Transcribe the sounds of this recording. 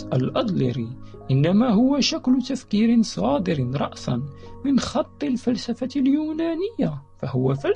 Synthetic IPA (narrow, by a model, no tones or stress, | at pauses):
alʔɑd̪ˤlɪ̰ɾiʔɪnːamaːɦʊwaʃaklʊt̪afkiːɾɪnsˤɑːd̪ɪɾɪnɾˤɑ̰ʔsɑ̰nmɪnxɑt̪ˤːɨlfalsafaljuːnaːnɪjːafahʊwafal